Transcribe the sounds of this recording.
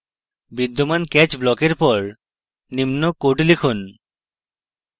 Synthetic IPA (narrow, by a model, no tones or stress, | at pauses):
bid̪ːomankɛt͡ɕblɔkeɾpɔɹ | nimnokoʈlikʰun